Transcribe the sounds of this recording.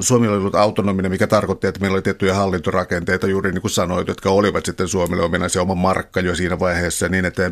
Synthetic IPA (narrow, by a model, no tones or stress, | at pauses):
suomiloolːut̪ɑut̪onominemikæt̪ɑrkot̪ːiet̪ːæmeˑilːolit̪eht̪yjɑhɑlːint̪orɑkent̪eit̪ɑjuːriniːŋkunsɑnoit̪jot̪kæoliʋɑt̪sit̪ːensuomilomenɑseomɑmɑrkːɑjosiːnæʋɑiheːsːɑniːnet̪ːæ